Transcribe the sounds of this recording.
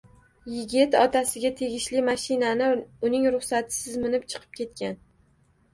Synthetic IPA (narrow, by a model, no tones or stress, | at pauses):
jɪɡʲɪt̪ɒt̪ʰasɪɡʲat̪ʰe̞ɡʲɪʃlɪmaʃɪnanɪʊnɪŋɾʊχsat̪ʰɪ̥sɪzmɪnɪpt͡ʃʰɨ̥qʰɨ̥p̚kʲʰe̞t̪̚kʲan